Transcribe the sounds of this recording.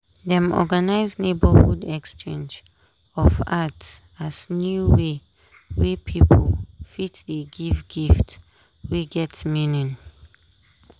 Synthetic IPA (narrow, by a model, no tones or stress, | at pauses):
dɛ̃mɔ̰ɡanaɪznebəhudɛkst͡ʃẽnd͡ʒ | ɔfat | asnjuwe | wepʰipʰɔlfitdeɡivɡift | weɡɛtminĩn